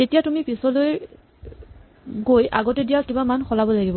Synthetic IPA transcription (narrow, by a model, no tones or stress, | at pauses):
tetijatumipisɔloj | ɡojʔa̰ɡɔtɛdijakibamanxɔlabɔlaɡibɔ